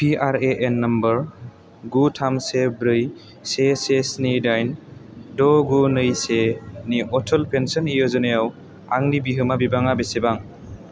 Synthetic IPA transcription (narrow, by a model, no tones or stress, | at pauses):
pʰiaɾeʔenːɐmbəɾ | ɡutʰamsebɾɯj | sesesnidajndɔɡunɯjseniʔɔtʰɔlpʰensɔnijɔzɔnɯjaw | aŋnibiɦɯmabibaŋabesebaŋ